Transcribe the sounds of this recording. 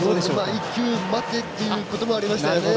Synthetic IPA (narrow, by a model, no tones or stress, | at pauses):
omaikʲːjɨːmat̪ːe̞t̪ːe̞jɯko̞t̪o̞mo̞aɾʲimaɕi̥t̪ajone